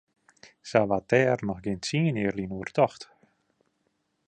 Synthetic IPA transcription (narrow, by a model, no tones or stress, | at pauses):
saʋatɛːrnɔxɡentsiːəniərlinuərtɔxt